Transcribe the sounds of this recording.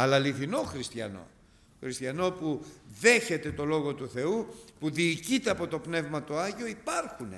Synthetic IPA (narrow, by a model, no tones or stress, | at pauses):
ɐlɐliθino̞xɾist̪çɐ̰no̞̰ | xɾist̪çɐno̞puðe̞çe̞t̪e̞t̪o̞lo̞ɣo̞t̪uθe̞upuðiːcit̪e̞ɐpo̞t̪o̞pne̞vmɐt̪oɐʝio̞ipɐɾxunḛ